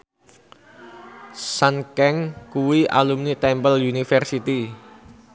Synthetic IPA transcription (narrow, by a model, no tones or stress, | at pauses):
sankɛŋkuwiʔa̰lumnit̪ɛmpəljunifɛrsit̪i